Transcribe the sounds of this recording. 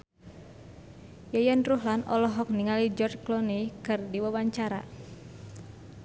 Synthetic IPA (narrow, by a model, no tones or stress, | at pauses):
jajanruɦlanɔ̰lɔɦɔk̚niŋalid͡ʒɔrd͡ʒklɔnikɨrdiwawaɲt͡ʃaɾa̰